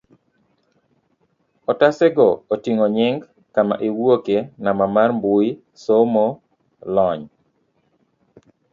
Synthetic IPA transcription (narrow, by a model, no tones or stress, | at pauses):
ɔtasɛɡɔotiŋoɲɪŋɡ | kama̰ʔewwokenamamarmbui | somo | lɔɲ